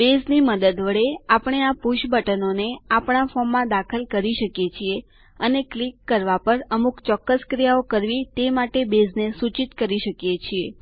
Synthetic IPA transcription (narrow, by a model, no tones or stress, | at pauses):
bezniməd̪əd̪ʋəɭeapəɳ̃eapuʃbəʈənoneapɳafomːãd̪akʰəlkəɾiʃəkjet͡ʃʰie | əneklikːəɾʋapəɾəmukt͡ʃɔkːəskɾijaokəɾʋit̪emaʈebeznesut͡ʃit̪kəɾiʃəkjet͡ʃʰie